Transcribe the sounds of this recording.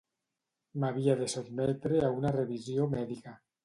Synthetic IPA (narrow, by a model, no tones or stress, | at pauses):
maβ̞iaðesubmɛt̪ɾeaunareβiziomɛðika